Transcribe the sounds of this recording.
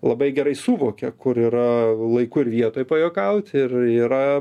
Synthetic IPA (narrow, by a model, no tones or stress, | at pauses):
lˠɐbɐɪɡʲɛɾɐɪsuːʋoːkʲɛkʊɾiːɾɐlˠɐɪkʊɪɾʋʲiɛt̪oːjpɐjoːkɐʊt̪ʲɪriːɾɐ